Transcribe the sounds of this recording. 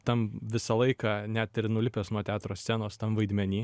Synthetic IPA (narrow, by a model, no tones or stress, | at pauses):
t̪ɐmʋʲɪsɐlˠɐɪkɑːnʲæt̪ɪrnʊlʲɪpʲeːsnuɔt̪ʲæːt̪ɾoːsʲsʲænoːst̪ɐmʋɐɪd̪ʲmʲɛnʲiː